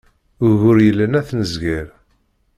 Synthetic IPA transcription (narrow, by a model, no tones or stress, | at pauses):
ɣʊɾjəlːənæθnəzɡiɾ